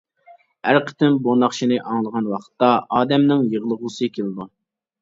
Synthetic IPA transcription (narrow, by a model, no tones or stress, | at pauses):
æɾqʰə̥t̪ɪmbonɑχʃinɨʔɑŋlˠəʁɑnwɑqʰə̥t̪ːɑɑːd̪ɛmnɪŋjəʁlˠəʁlˠɨsɨkʲʰelˠɨd̪u